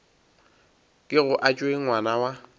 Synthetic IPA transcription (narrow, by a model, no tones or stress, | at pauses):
kʼɪɣʊʔat͡ʃʼwewanawa